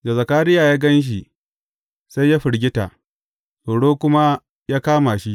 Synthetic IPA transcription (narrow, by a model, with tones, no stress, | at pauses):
da˨zɐ˨kaː˦ɾɪ˦jaː˨jaː˦ɡɐ˦nʃ̬i˨ | sa˦jːaː˦ɸɪ˨ɽɡʲɪ˦ta̰˨ | so˨ɽoː˦kʷʊ˦ma˦ | jaː˦kaː˦ma˨ʃi˦ʔ